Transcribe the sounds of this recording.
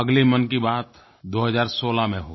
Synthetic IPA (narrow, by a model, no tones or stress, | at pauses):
ɐɡlimɐnkibaːt̪ | d̪oːɦəzaːɾsoːlamẽɦo